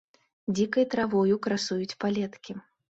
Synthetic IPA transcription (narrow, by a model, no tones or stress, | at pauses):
d͡zʲikɐjt̪ɾavɔjukɾasujut͡sʲpalʲɛt̪kʲi